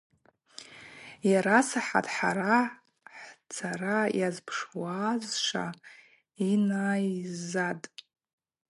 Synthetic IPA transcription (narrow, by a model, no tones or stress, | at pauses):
jaɾasaħa̰tʰʼħa̰ɾa | ħt͡sʰarajazpʰʂwaːzʂa̰ | inaːjzatʼ